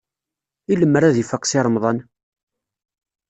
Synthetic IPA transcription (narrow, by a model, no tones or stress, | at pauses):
iləmːəɾæðifəqːsɪɾˤəmðˤɑn